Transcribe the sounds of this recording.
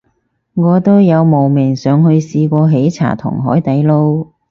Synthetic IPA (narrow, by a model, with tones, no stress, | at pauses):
ŋɔː˨˧t̪o˥wjɐ˨˧wmo˨wmɪ˨˩ŋsœː˨˧ŋhɵ˧ɥsiː˧kʷɔː˧ɦe˨˥jt͡sʰa̰ː˨˩t̪ʰʊ̰˨˩ŋɦɔ̰ː˨˥jt̪ɐ˨˥jlo˥w